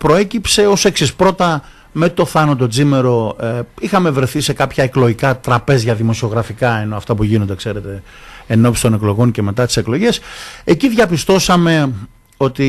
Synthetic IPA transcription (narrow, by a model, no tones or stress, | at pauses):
pɾo̞e̞cipse̞o̞se̞ksispɾo̞t̪ɐ | me̞t̪o̞θɐnɐt̪o̞d͡zimeɾo̞ixɐme̞vɾeθise̞kɐpçɐeklo̞ʝikɐt̪ɾɐpe̞zʝɐðimo̞sioɣɾɐfikɐe̞no̞ɐft̪ɐpuʝino̞nd̪ekse̞ɾe̞t̪e̞ | eno̞psi̥st̪o̞ne̞klo̞ɣo̞ɲce̞me̞t̪ɐt̪i̥seklo̞ʝe̞se̞ciðʝɐpist̪o̞sɐme̞ | o̞t̪i